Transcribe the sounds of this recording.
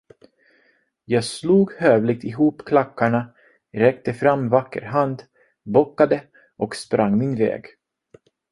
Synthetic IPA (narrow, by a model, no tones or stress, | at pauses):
jɑːɡsluːɡhøːvlɪɡ̚t̪ɪɦuːpkʰlakːaɳa | ɾɛk̚t̪əfɾamːvakːə̰ɾɦand̪ | bɔkːad̪ə | ʔɔkspɾaŋːmɪnvɛ̰ːɡ